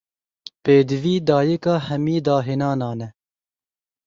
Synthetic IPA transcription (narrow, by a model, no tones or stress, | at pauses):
peːd̪ɨviːd̪ɑːjɛkɑːhɛmiːd̪ɑːɦeːnɑːnɑːnɛ